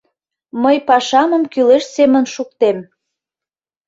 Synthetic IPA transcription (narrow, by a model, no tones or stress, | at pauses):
məjpɑʃɑməmkyleʃsemənʃuk̚t̪em